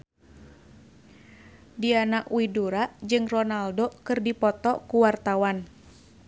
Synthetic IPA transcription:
dianaʔwiduɾaʔd͡ʒɨŋrɔnaldokɨrdipɔt̪ɔkuwart̪awan

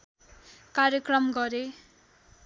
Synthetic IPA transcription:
kaɾjʌkrʌmɡʌɾe

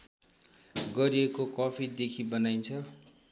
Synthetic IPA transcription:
ɡʌɾiekokʌpʰid̪ekʰibʌnajnt͡sʰʌ

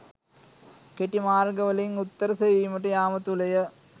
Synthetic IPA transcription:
keʈːimaːrɡɐʋɐlɐjuŋut̪ːɐɾɐsejʋijmɐʈ̬ːɨjaːmɐt̪ːulɐjɐ

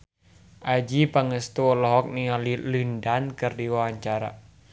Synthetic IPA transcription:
ʔad͡ʒipaŋəst̪uɔlɔɦɔk̚nialilindankɨrdiwawaɲt͡ʃaɾa̰

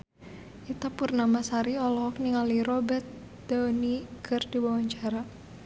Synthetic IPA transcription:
ʔit̪apʊrnamasaɾiɔlɔɦɔk̚niŋaliɾɔbɛrt̪̚ | d̪̥ɔnikʰɨrdiwawaɲt͡ʃaɾa

